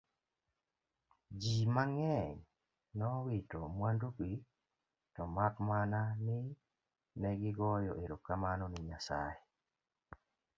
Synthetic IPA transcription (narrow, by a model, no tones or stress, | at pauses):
d͡ʒimaŋɛɲ | nɔwitomwanduki | tɔmakmananɪ | nɛɡɪɡɔjɔʔeɾokkːamanɔnɪɲasa̰e